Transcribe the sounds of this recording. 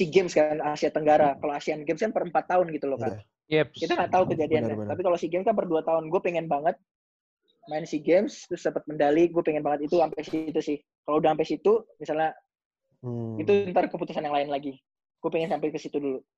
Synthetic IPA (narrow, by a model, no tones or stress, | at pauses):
siɡɛmskanasiat̪əŋɡaɾakaloasianɡɛmskanpəɾəmpat̪ːaʊnɡit̪uloka | ɛkit̪aŋɡaʔt̪aukəd͡ʒadiankat̪apikalosiɡɛmskanpərduat̪aʊnɡuapeŋɛnbaŋət̪̚ | maɪnsiɡɛmst̪ɾʊsdəpət̪̚məndaliɡuapɛŋɛnbaŋət̪it̪uampasit̪usɪh | kaloudahampajsit̪umisalɲa | it̪uənt̪arkəput̪usanjaŋlaɪnlaɡi | ɡ̥uapɛŋɛnsampajkəsit̪udulu